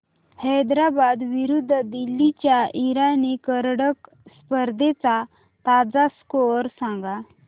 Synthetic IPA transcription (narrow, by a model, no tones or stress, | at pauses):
hɛd̪ɾabaːd̪ʋiɾud̪ʱːd̪ilːit͡ɕaʔiɾanikəɾɽək | spəɾd̪ʱet͡sa | t̪aːd͡zaskoɾsãŋɡa